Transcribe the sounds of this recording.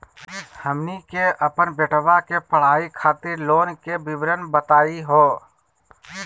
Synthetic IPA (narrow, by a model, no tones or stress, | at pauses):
həmnikeʔəpənbeʈʰəʋakepəɽ̤aːikʰaːt̪ɪɾloːnkebɪbɾənbət̪aːiɦoː